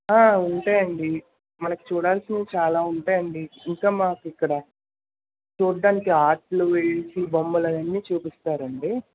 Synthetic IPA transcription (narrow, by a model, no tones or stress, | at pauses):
aːuɳʈaːjɐɳɖi | mɐnɐku̥t͡ʃuːɽaːlsind̪et͡ʃaːlaːuɳʈaːjɐɳɖiːŋkaːmaːkuikːɐɽɐ | t͡ʃuːd̪ɐntiaːʈluʋeɭsibɐmːɐlɐnɐnːiːt͡ʃuːpist̪aːɾɐɳɖi